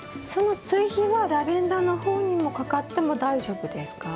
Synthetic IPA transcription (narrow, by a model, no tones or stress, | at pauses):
so̞no̞t͡sɨiçiβaɾabẽ̞nd̪anoho̞ːɲ̟imo̞kakat̪ːe̞mo̞d̪aiʑo̞bɯ̟d̪e̞sɨ̥ka